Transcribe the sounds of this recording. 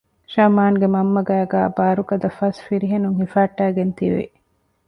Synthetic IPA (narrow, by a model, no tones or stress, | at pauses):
ʃɐmaːŋɡemɐmːɐɡæːɡæːbaːɾukɐd̪ɐfɐsfiɾiɦenuŋhifaːʈːæːɡent̪iʋḭ